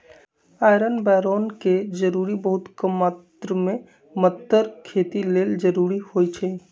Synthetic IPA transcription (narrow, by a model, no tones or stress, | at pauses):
ajɾənbɛɾonked͡ʒəɾuɾibəɦut̪kəmːat̪ɾəme | mət̪ːəɾkʰet̪ileld͡ʒəɾuɾihojt͡ʃʰɛ